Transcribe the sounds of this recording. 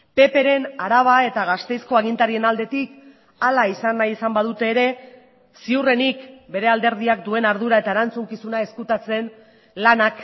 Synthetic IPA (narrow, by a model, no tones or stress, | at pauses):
pe̞pe̞ɾe̞naɾaβ̞ae̞t̪aɣast̪e̞jsko̞aɣ̞int̪aɾie̞nald̪e̞t̪ik | alaisanːajisambað̞ut̪e̞ːɾe̞ | siure̞nikbe̞ɾe̞ald̪e̞ɾð̞iak̚d̪ue̞naɾð̞uɾae̞t̪aeɾant͡suŋkisunae̞skut̪at͡se̞n | lanak